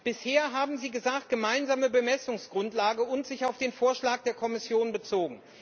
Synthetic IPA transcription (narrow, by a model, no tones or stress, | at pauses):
b̥ɪsheːɐɦaːbm̩ziːɡəzaːkt̚ɡ̥əmaɪnzaːməbəmɛsʊŋsɡ̥ʁʊntlaːɡəʊntz̥ɪçaʊfd̥eːnfoːɐʃlaːk̚d̥eːɐkʰɔmɪsjoːnbət͡soːɡŋ̩